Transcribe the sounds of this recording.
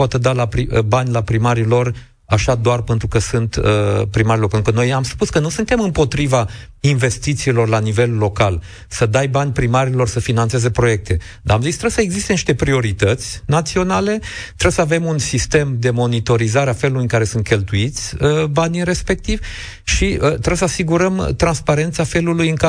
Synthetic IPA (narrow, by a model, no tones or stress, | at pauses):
pat̪əd̪alapɾibanʲlapɾimaɾilo̞r | aʃad̪oarpent̪ɾukəsunt̪əpɾimaɾilo̞rpenukəno̞jamspuskənusunt̪e̞mɨmpo̞t̪ɾiva | inve̞st̪it̪siːlo̞rlanive̞lːo̞kal | səd̪ajbanʲpɾimaɾilo̞rsəfinant̪seze̞pɾo̞je̞k̚t̪e̞ | d̪a̰amzist̪ɾebsəeɡzist̪eniʃt̪e̞pɾio̞ɾit̪ət̪sʲnat̪sio̞nale̞t̪ɾebsəave̞munsist̪e̞md̪e̞mo̞nit̪o̞ɾizaɾeafe̞lulujɨŋkaɾe̞sunt̪̚kʲelt̪uit̪sʲəbanʲiɾe̞spe̞k̚t̪iv̥ | ʃiət̪ɾebsəasiɡuɾəmt̪ɾanspaɾe̞nt̪safe̞lulujɨŋka